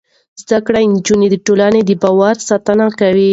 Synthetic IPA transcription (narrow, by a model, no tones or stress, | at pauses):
zd̪akɽaɪnd͡ʒuned̪əʈolaned̪əbɑwaɾsɑt̪anakawi